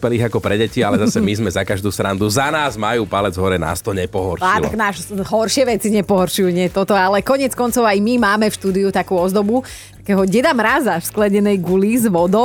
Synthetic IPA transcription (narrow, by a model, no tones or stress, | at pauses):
pɛliːɣakɔpɾɛɟɛcialɛzasɛmizmɛzakaʒd̪uːsɾand̪uzanaːzmajuːpalɛd͡zɦɔɾɛna̰ːst̪ɔɲɛpɔɦɔɾalt̪a̰ɡnaːʃɦɔɾʃɪɛʋɛt͡siɲɛpɔɦɔɾʃujuɲɪɛt̪ɔt̪ɔalɛkɔɲɪɛt͡skɔnt͡sɔʊajmimaːmɛfʃt̪uːd̪iut̪akuːɔzd̪ɔbu | t̪ḁkɛːɦɔɟɛd̪amɾazafsklɛɲɛnɛjɡulizʋɔd̪ɔ